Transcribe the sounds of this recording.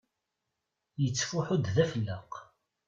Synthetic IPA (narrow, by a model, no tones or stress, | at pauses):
jət͡sːfʊħʊd̪ðæfəlːəq